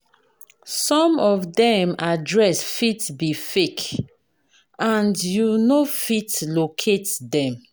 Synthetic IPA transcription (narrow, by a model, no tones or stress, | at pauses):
sɔ̃mɔvdɛ̃madɹɛsfitbifek | ãndjunofitlokʰetdɛ̃m